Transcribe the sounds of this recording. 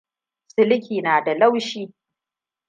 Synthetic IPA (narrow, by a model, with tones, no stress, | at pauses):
sɪ˦lkʲiː˨naː˨da˨la˦wʃiː˦